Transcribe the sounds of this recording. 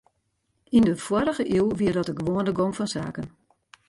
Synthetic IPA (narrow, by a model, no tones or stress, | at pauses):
indəfwɔɾəɣəʔilˠʋiərdɔtəɡəʋoəndəɡomfɔnsa̰ːkən